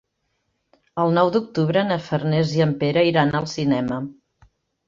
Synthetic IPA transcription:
əlˠnɔwd̪uk̚t̪uβɾənəfərnɛziəmpeɾəiɾanəlˠsinɛmə

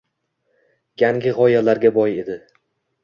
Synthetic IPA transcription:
jaŋɡʲɪʁɒjalaɾɡʲabɒje̞d̪ɪ

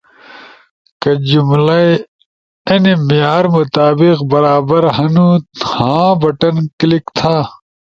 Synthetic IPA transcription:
kɐd͡ʑumlɐ | ɐnimijaːɾmut̪aːbiqbɐɾaːbɐɾɦɐnut̪hãːbɐʈɐnklikt̪ʰaː

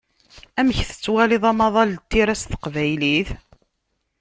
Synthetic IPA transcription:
æməçθə̥t͡sːwæliðˤɑmɑðˤɑlt̪ːiɾæsθə̥qvæjliθ

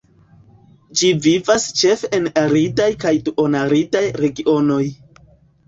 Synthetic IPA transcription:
d͡ʒivivast͡ʃe̞fenaɾitajkajtuʔonaɾitajɾe̞ɡio̞no̞j

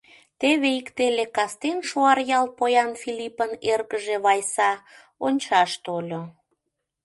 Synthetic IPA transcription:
t̪eβeikt̪elekɑst̪enʃoɑrjɑlpojɑnfilipənerɣəʒeβɑjsɑ | onʲt͡ɕɑʃt̪olʲo

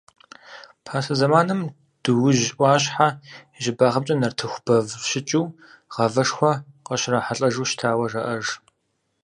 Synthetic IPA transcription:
pʰaːsɐzɐmaːnɨm | d̥ɨwʊʒʔʷɑːɕħa | ʒɪbaːʁɐm̚t͡ʃʼɐnɐrtʰɨxʷb̥ɐvʃɪt͡ʃʼuː | ʁɐvɐʂxʷɐqɐɕraħaɬʼɐʒuːʃtʰaːwɐrɐʔɐʐ

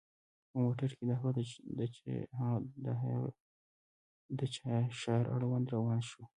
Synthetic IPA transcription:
pəmoʈəɾked̪ahwad̪d̪̰ | d̪a | d̪ət͡ʃɑʃɑjɾʔa̰ɽwand̪ɾawɑnʃu

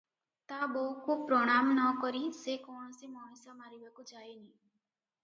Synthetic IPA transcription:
t̪abɔɦukupɾɔɽ̃amnɔkɔɾisekɔɳ̃ɔsemɔnisamaɾibakud͡ʒajni

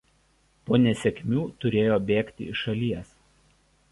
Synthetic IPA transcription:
poːnʲɛsʲɛkʲmʲuːt̪ʊɾʲeːjoːbʲeːkʲt̪ʲɪ̰ɪʃɐlʲiɛs

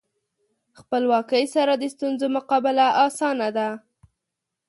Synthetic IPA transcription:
xpəlwɑkəjsaɾad̪əst̪unzomʊqɑbɪlaʔɑsɑnad̪a

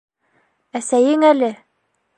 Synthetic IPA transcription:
æsæjɘŋælɘ

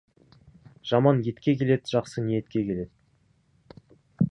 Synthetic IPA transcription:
ʒ̥ɑmɑnje̞t̪kʲe̞kʲʰe̞le̞d̪ʒ̥ɑqsənije̞t̪kʲe̞kʲʰe̞le̞d̪̥

